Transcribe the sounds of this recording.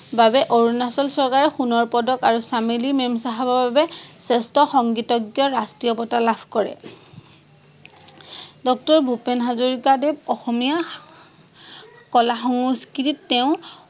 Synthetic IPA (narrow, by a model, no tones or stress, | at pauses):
babɛʔoɹunasɔlsɔɹkaɹɔxunɔɹpɔdɔkaɹusamelimemsaɦabɔbabɛsɛstɔxɔŋɡitɔɡjɔɹastɹijɔpɔtalabʱkɔɹɛ̰ | dɔk̚tɔɹbʱupenɦazoɹikadeb̚ɔxɔmija | kɔlaxɔŋuskititːɛʊ̃